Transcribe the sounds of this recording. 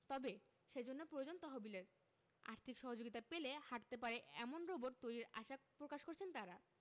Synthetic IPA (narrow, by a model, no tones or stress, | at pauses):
t̪ɔbe | ʃed͡ʑonːopɾojd͡ʑont̪ɔɦobileɾ | a̰ɾt̪ʰikʃɔɦod͡ʑoɡit̪apelehaʈt̪ep̬aɾeɛ̰monɾoboɾt̪ojɾiɾa̰ʃapɾokaʃkoɾt͡ɕʰent̪aɾa